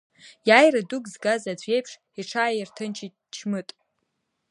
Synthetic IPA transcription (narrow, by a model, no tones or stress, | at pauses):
jaːjrɨduɡzɡazad͡zʷʰe̞jpʰʂ | iʈ͡ʂʰaːjirtʰɨnt͡ʃʰi | t͡ʃʰmɨtʼ